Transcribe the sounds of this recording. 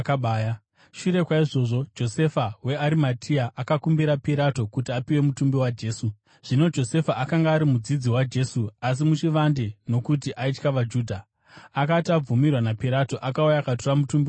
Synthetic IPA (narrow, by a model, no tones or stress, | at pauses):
kaɓaːja | ʃuɾe̞kwaiʐo̞ːʐo̞d͡ʒo̞se̞fawe̞aɾimatʰiaʔakakumbiɾapiɾato̞kutiapiwe̞mutumbiwad͡ʒe̞ːsu | ʐ̥ino̞d͡ʒo̞se̞faʔakaŋɡaːɾimud͡zid͡ziwad͡ʒe̞ːsuas̬imut͡ʃiʋandeno̞kutiʔait͡ʃkaʋad͡ʒuːdʱa | akatiab͡vumirwanapiɾato̞ʔakaujakatoramutumbi